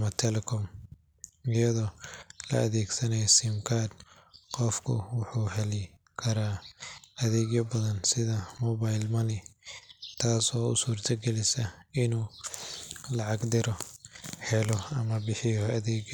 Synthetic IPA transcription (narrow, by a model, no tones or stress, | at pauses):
mɐt̪ʰɛlɛkʰɔm | ɪjɐðɔːlɐ̰ʔɐðɛːɡsɐnɛjsɪmkʰaːd̪ | qɔfkʰʊ̰wʊħuːhɛlɪ | kʰɐɾaːʔɐðɛːɡjɐbɐðɐnsɪðɐmɔːβajlmɐnɪ | t̪ʰaːsɔːʊ̰suːrt̪ʰɐɡɛlɪsɐɪnuː | lɐʕɑɡd̪ɪɾɔhɛlɔɐmɐbɪħɪjɔɐðɛːɡ